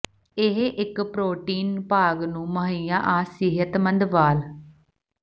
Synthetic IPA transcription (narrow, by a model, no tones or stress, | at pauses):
ɪɦʔɪkpɾoːʈiːnpaːɡnũːməɦiːãːʔaːsɪɦət̪mə̃nd̪ʋaːl